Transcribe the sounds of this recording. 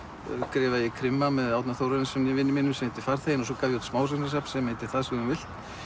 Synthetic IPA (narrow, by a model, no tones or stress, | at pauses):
kɾɪːvajɛkʰɾɪmːamɛðawt̪naθowɾaɾnsɛmnɪvɪnːɪmɪnːʏmsɛmejt̪ɪ̥faɾ̥θejɪnɔs̬ɔkaːvjɪut̪smaːws̬ɛnɪs̬ap̪sɛmejt̪ɪ̥θaðsɛɣʏmvɪl̥t̪